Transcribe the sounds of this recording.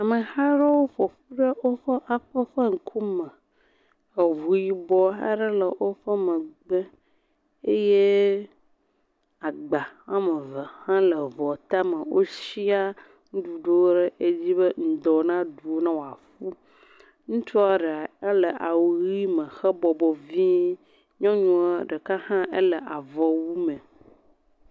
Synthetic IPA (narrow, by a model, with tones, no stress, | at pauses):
a˨mə˨ha˦ɖə˦wo˦ɸɔ˨ɸu˦ɖə˦wo˦ɸə˦ʔa˨ɸə˦ɸə˦ŋ̩˨kʰu˦mə̃˨ | ə˨vu˨ji˨bɔ˦ɦa̰˦ɖə˦lə˨wʔo˦ɸə˦mə̃˨ɡ͡bə˦ | e˦je˦ | a˨ɡ͡ba˨hã˦mə̃˨və˨hã˦lə˨vɔ˨t̪a˦mə˨wʔo˦si˦a˦ | ŋũ˦ɖu˨ɖo˦wo˦ɖə˦ʔe˦d͡ʑi˦bə˦ŋ̩˨d̪ɔ˨nã˦du˨o˦nã˦wo˨a˨fu˦ | ŋũ˦t͡ʃɔ˦a˦ɖe˨a˨e˦lə˨ʔa˨wu˨ɣi˦mə̃˨xə˦bɔ˨bɔ˨vi˦ | ɲɔ̃˦ɲũ˨ɖə˨ka˦hã˦ʔe˦lə˨ʔa˨vɔ˨wu˦mə̃˨